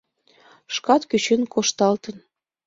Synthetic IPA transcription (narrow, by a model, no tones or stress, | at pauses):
ʃkɑt̪kyt͡ɕenkʰoʃt̪ɑlt̪ə̆n